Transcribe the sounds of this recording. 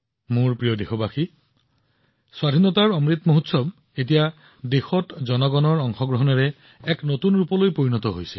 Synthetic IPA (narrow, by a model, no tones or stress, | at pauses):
muɹpɹijɔdexobaxi | swadʱinɔtaɹɔmɹit̪moɦut̪sɔb | et̬ija | dexɔtzɔnɔɡɔnɔɹɔŋxɔɡɹɔɦɔnɛɹɛ | ɛknotunɹupɔlojpoɹinɔt̪ɔɦojsɛ